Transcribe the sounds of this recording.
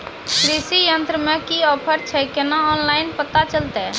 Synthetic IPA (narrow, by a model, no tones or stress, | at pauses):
kɾisijənt̪ɾəmẽkiɔːpʰəɾt͡ʃʰɛkenaɔːnlaɪnpət̪at͡ʃəlt̪ɛ